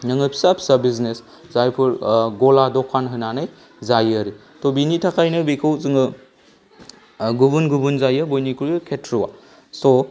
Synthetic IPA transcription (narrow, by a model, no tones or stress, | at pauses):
nɐŋɯpʰi̥sapʰi̥sabiznes | zajpʰuɾɡɔladɔkʰanɦɯnanaj | zajaɾi | tobinitʰakʰajnɯbikʰɯwzɯŋɯ | ɡubunɡubunzajɯbojnikʰuɾɯkʰetʰɾuwa | so